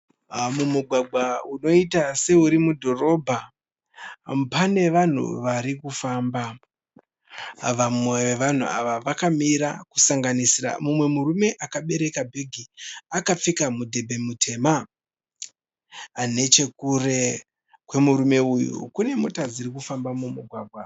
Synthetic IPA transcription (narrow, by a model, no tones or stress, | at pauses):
mumuɡʱwaɡ͡bʱauno̞itase̞uɾimudʱo̞ro̞bʱa | pane̞ʋan̤ṵʋaɾikufaːmba | ʋamweʋeʋan̤ṵa̰ʋaʋakamiɾaku̥saŋɡanisira̰mumwe̞muɾume̞ʔakaɓe̞ɾe̞kabʱe̞ɡʱiakap͡fikamudʱe̞bʱe̞mutʰe̞ːma | ne̞t͡ʃe̞kure̞ | kwe̞muɾume̞ujṵkune̞mo̞tad͡ziɾikufambamumuɡʱwaːɡʱwa